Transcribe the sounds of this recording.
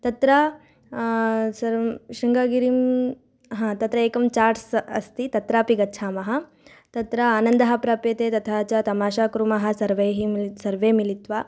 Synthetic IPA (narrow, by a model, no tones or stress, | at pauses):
t̪ɐt̪ɾa | sɐɾʃɾiŋɡaːɡiɾim | ɦãːt̪ɐt̪ɾɐeːkɐmt͡ʃaːɾɖsɐ̰st̪it̪ɐt̪ɾaːpiɡɐt͡ʃʰaːmɐɦɐ | t̪ɐt̪ɾɐaːnɐnd̪ɐɦɐpɾaːpjeːt̪eːt̪ɐt̪ʰaːt͡ʃat̪ɐmaːʃaːkɾumɐɦɐ̆sɐɾʋeːɦimsɐɾʋeːmilit̪ʋaː